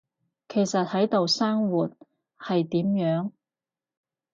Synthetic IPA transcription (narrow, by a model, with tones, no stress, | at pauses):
kʰe˨˩jsɐ˨t̚hɐ˨˥jt̪o˨˧wsaː˥ŋwuː˨t̚ | hɐ˨jt̪iː˨˥mjœː˨˥ŋ